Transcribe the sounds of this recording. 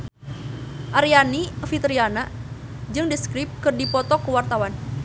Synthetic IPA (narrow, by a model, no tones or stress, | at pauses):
ʔaɾianifit̪əɾianad͡ʒɨŋdiskɾɪp̚kɨrdipɔt̪ɔkəwart̪awan